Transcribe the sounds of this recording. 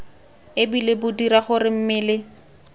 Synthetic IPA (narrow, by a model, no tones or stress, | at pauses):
ɪbilɪbʊdiɾaχʊrɪm̩mɪːlɪ